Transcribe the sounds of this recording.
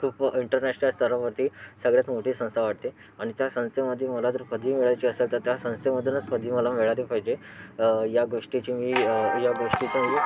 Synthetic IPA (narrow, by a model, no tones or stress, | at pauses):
kʰuːpiɳʈəɾnæɕnəlst̪ʰəɾãʋəɾt̪ʰiːsəɡɭjat̪moʈiːsə̃st̪ʰaʋaʈ̚t̪e | aɽ̃it̪jasə̃ñst̪ʰeməd̪ʱːjeməlat̪əɾkəd̪ʱiːmeɭat͡ɕiːəselt̪əɾt̪jasə̃w̃st̪eməd̪ʱːjənat͡skəd̪ʱiːməlameɭaɾipajd͡ʑe | jaɡoʂʈit͡ɕimiːjaɡoʂʈit͡ɕamiː